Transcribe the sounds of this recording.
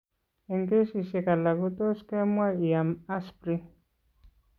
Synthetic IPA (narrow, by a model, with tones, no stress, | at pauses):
e˨ŋke˦si˨se˨ka˨la˨ɣu˦t̪o˦ske˦mwa˦i˨a˨ma˦spɾi˦